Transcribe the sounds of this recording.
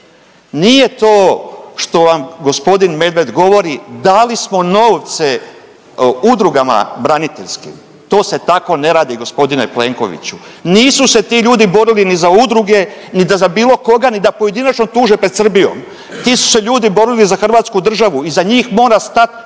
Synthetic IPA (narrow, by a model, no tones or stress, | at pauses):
nije̞t̪oːʃt̪o̞ʋamɡo̞spo̞d̪inme̞d̪ʋe̞d̪ɡo̞ʋo̞ɾid̪alismo̞no̞ːʋt̪se | ud̪ɾuɡama̰bɾanit̪eʎskḭm | t̪o̞ːse̞t̪ako̞ne̞ɾaːd̪iɡo̞spo̞d̪inepleŋko̞̰ʋḭt͡ɕuniːsuse̞t̪iʎuːd̪ibo̞ɾilinizaud̪ɾuɡe̞nid̪azabiːlˠo̞ko̞ɡanid̪apoje̞d̪inat͡ʃnot̪uːʒepɾesr̩bijo̞̰m | t̪iːsu̥se̞ʎuːd̪ibo̞ɾilizaxr̩ʋaːt̪skud̪r̩ʒaʋuizaɲiːxmo̞ːɾast̪at̪